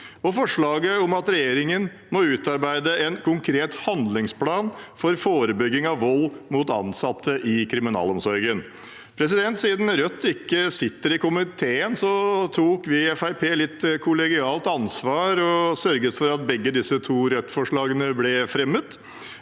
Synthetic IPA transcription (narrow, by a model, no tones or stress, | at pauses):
ɔfɔʂɭɑːɡəɔmɑt̪ɾɛjeːɾɪŋən | mɔʉːt̪ɑɾbæɪd̪əɛnkʰʊŋkʰɾeːt̪hɑnd̪lɪŋspʰlɑːnfɔɾfoːɾəbʏɡːɪŋɑʋʋɔlːmʊt̪ɑ̰nsɑt̪ʰːəʔɪkʰɾɪmɪnɑ̰ːlɔmsɔɾɡən | pʰɾɛs̬ɪd̪ɛnt̪siːd̪n̩ɾœt̪ːɪkːəsɪt̪ːəɾɪkʰʊmɪt̪ʰeːənsɔt̪ʰuːkʋɪɛfæɪpʰeːlɪt̪ːkʰʊlɛɡɪɑːlt̪ɑnsʋɑːɾɔsœɾɡəsfɔɾɑt̪̚bɛɡːəd̪ɪsət̪ʰuːɾœt̪ːfɔʂɭɑːɡənəblɛfɾɛmət̪